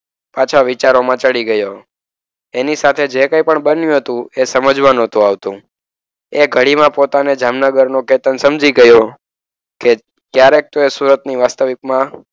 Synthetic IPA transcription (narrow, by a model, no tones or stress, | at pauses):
pat͡ʃʰaʋɪt͡ʃaɾomãt͡ʃəɭiɡəjo | enisat̪ʰed͡ʒekə̃jpəɳbənjũɦət̪ũesəməd͡ʒʋanõt̪ũaʋt̪ũ | eɡʱəɽimãpot̪aned͡ʒamnəɡəɾnoket̪ənsəmd͡ʒiɡəjo | ke | kjaɾek̚t̪oesuɾət̪niʋast̪əʋikmã